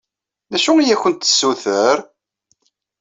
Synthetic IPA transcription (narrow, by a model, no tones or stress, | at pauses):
næʃuijæçənt̪ːə̥sːuθəɾ